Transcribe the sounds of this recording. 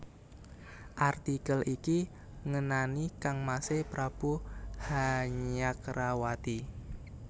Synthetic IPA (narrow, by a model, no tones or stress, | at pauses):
ʔart̪ikəlʔiki | ŋənanikaŋmasepɾab̥uhaɲakrawat̪i